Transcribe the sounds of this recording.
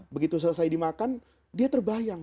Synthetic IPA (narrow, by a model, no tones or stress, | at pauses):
bəɡit̪us̬ələsajdimakan | diat̪ərbajaŋ